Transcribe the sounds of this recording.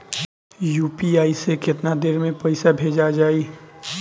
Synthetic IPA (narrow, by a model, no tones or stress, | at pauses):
juːpiaːisekɪt̪nad̪eːɾmẽpɐɪsabʱeːd͡ʒad͡ʒaːi